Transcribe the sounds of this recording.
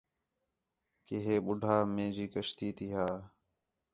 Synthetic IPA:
keɦeːɓʊɖʱaːmẽːd͡ʒiːkəʃt̪iːt̪ʰiːɦaː

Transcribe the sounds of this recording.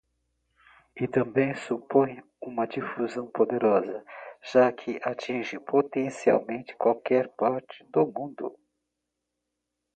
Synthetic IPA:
ɪt̪ɐ̃mbẽj̃supõj̃ | ũmɐd͡ʒifuzɐ̃w̃pod̪eɾɔzɐʒ̥akʰɪʔat͡ʃĩʒɪpot̪ẽsia̰wmẽnt͡ʃɪ̥kwawkɛɾpaɾt͡ʃɪ̥d̪ʊmũnd̪ʊ̰

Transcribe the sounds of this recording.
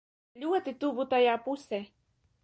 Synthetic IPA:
ʎuwat̪ɪt̪ubut̪ajapuse

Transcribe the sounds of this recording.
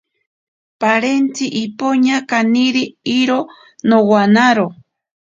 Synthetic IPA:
paɾent͡siʔipoɲakaniɾiiɾo | nowanaɾo

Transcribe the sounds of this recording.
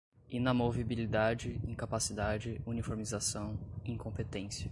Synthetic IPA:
inɐmovibilid̪ad͡ʒɪĩkapasid̪ad͡ʒɪunifoɾmizasɐ̃w̃ĩkõpet̪ẽsjɐ

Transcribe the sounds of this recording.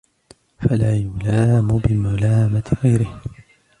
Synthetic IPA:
falaːjʊlaːmʊbɪmalaːmat̪ɣajɾɪh

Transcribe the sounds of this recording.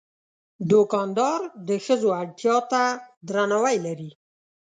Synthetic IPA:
d̪okɑnd̪ɑɾd̪əxəzoaɽt̪jɑt̪ad̪ɾanawajlaɾi

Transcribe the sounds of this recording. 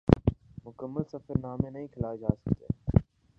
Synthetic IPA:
mʊkəmːəlsəfəɾnaːmẽnɐɦĩːkʰɪlaːed͡ʒa̰ːsə̥kt̪ḛː

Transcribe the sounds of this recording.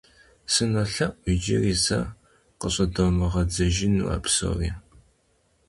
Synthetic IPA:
sɨnɐɬɐʔʷid͡ʒɪriːsɐ | qəɕʼɐdomɨʁɐd͡zɐʒɪnṵa̰ːpso̰riː

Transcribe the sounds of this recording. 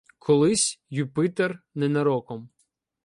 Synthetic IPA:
kʰɔlˠɪsʲjupɪt̪ernɛnɐɾɔkɔm

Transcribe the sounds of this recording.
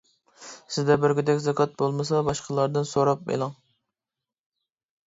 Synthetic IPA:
sɪzd̪ɛbɪɾɡʲyd̪ɛkʲzɑkʰɑt̪̚bolˠmɨsɑbɑʃqʰəlˠɑɾd̪ɨnsoɾɑp̚bḛlˠɑŋ

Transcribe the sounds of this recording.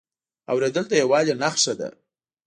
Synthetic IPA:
awɾed̪əlt̪ajawɑzenaxʃad̪a̰

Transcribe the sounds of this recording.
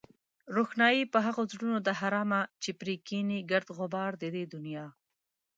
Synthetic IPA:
ɾoxnɑjipəɦaɣozɽunod̪aɦaɾɑmat͡ʃepɾikiniɡaɾd̪ɣʊbɑɾd̪ed̪ed̪ʊnijɑ

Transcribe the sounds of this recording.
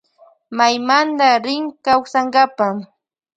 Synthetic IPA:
majmand̪aɾɪŋkaxsaŋɢapa

